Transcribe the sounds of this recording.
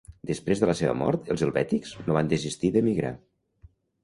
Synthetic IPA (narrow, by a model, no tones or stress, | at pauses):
d̪əspɾezðələseβə̰mɔ̰ɾt̪əlˠzəlˠβɛt̪ikz̥noβand̪əzist̪iðəmiɣɾa̰